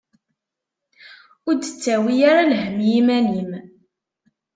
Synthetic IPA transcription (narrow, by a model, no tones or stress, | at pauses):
ʊɾd̪ət͡sːæwijaɾalhəmjimænim